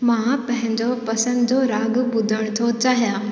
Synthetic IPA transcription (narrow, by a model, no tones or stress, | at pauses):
mãpɐ̃ɦɪ̃ɲd͡ʑopɐsə̃nd̪d͡ʑoɾaːɡbʊd̪ʱəɽ̃t̪ʰot͡ɕaːɦijãː